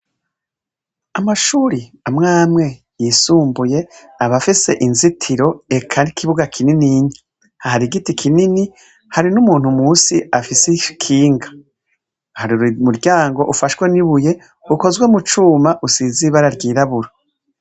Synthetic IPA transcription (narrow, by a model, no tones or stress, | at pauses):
amaʃuːɾiamŋaːmŋe̞ | jisuːmbuje̞ | aβafise̞̰ʔinzitʰiɾo̞ekʰanikʰiβuɡakʰininiɲi | ahaɾiɡitikʰinini | haɾinumuːn̥humuːsiafisekʰiːŋɡa | haɾiuɾumuɾɟaːŋɡo̞ʔufaʃweniβuje̞ | uko̞zwe̞mut͡ʃuːmaʔusiːziβaɾaɾɡiːɾaβuɾo